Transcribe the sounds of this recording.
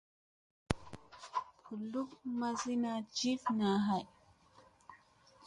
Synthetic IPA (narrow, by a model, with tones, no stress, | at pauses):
pʰu˨lu˦kma˦zi˦na˦d͡ʒi˦fna˨ɦa˨j